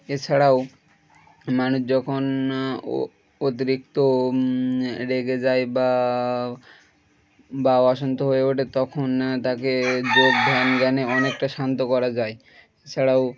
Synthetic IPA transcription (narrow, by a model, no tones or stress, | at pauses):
et͡ɕʰaɽao | manuʃd͡ʑɔkʰon | ot̪̬iɾik̚t̪o | ɾeɡed͡ʑajba | baaʃont̪oɦoeoʈet̪ɔkʰont̪aked͡ʑoɡ̚d̪ʱanɡɛneɔnekʈaʃant̪okɔɾad͡ʑae | et͡ɕʰaɽaw